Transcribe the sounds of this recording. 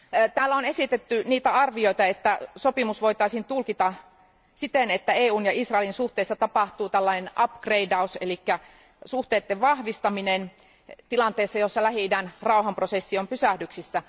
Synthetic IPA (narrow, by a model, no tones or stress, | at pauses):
t̪æːlːæonesit̪et̪ːyniːt̪æɑrʋioit̪ɑet̪ːæsopimusʋoit̪ɑisint̪ulkit̪ɑ | sit̪enet̪ːæeːuːnjɑisrɑˑelinsuht̪eːsːɑt̪ɑpɑht̪uːt̪ælːɑinenɑpkreidɑuselikːæ | suht̪eːt̪ːeʋʋɑhʋist̪ɑminen | t̪ilɑnt̪eːsːɑjosːɑlæhidænrɑuhɑmprosesːiompysæhdyksisːæ